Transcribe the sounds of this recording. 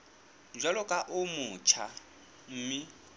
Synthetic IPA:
d͡ʒwalɔkʼaʔʊmʊt͡ʃʰa | m̩ːmɪ

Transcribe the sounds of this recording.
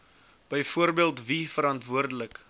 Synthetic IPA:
b̥əjfuərbiəlˠtvifəɾɐntvuərdələk

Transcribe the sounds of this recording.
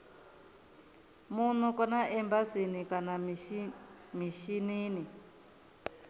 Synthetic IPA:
mun̤ukɔnaʔɛmbasinikana | miʃiniːni

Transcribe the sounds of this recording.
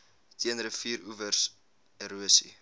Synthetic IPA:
tʰiənrəfiːɾuvərs | eɾuəsḭ

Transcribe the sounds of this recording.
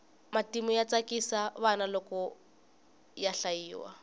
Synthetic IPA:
matimʊjat͡sakʼisaβanalɔkɔ | jaɬaiːwa̰

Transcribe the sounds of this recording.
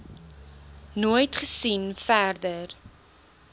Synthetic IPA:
nujtχəsinfærdər

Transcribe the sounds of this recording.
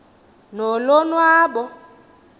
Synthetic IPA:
nolɔnwaːɓɔ

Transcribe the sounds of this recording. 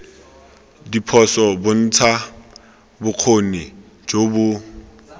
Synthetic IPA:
dipʰɔsɔbʊn̩t͡sʰa | bʊq͡χʰonɪ | d͡ʒobʊ

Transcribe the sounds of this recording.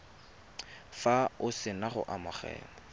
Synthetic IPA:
faʊsɪnaχʊ̰ʔamaχɛ̰ːmɔ

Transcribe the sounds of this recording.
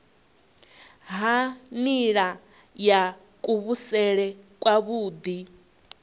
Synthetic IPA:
ɦaniɺa | ja | kʼuβusɛɺɛkʼwaβuːd̪i

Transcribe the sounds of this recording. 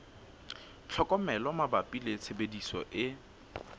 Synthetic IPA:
t͡ɬʰɔkʼɔmɛlɔmabapʼilet͡sʰebedisɔ̰ʔɪ

